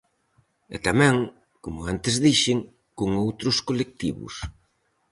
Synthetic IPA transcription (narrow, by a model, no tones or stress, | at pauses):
ɛ̰t̪amɛ̃ŋ | komʊant̪ezðiʃɪŋ | koŋowt̪ɾʊskolek̚t̪iβʊ̰s